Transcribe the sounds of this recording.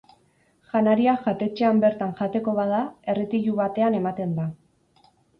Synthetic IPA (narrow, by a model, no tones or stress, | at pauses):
ʝanaɾiaʝat̪e̞t͡ʃe̞ambe̞ɾt̪aŋʝat̪e̞ko̞βað̞ae̞ret̪iʎuβat̪e̞ane̞mat̪e̞nd̪a